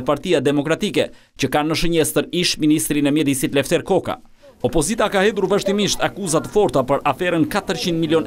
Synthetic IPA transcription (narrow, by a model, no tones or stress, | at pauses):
paɾt̪ijad̪ɛmɔkɾat̪ikɛ | t͡ɕəkanːəʃ̬əɲɛst̪əɾiʃminist̪ɾinɛmjɛd̪isit̪lɛft̪ɛɾkɔka̰ | ɔpɔzit̪akahɛd̪uɾvaʃt̪imiʃt̪akuzat̪əfɔɾt̪apəɾʔafɛɾənkat̪əɾt͡ɕind̪miljɔn